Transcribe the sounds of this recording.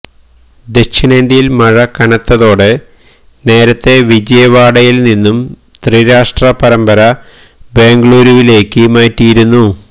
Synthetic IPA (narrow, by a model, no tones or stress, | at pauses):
d̪e̞kɕinend̪ijilmɐɻɐkɐnɐt̪ːɐðo̞ːɽe̞ | ne̞ːɾɐt̪ːe̞ʋid͡ʑɐjɐʋaːɽɐjilninːum | t̪riːɾaːʂʈrɐpɐɾɐmbɐɾɐ | be̞ːŋɡɐɭuːɾuʋile̞ːkːɨmaːʈːijiɾunːu